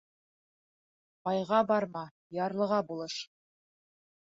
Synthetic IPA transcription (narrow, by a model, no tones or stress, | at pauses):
bɑjʁɑbɑɾmɑ | jɑɾlˠɤ̆ʁɑbulˠɤʃ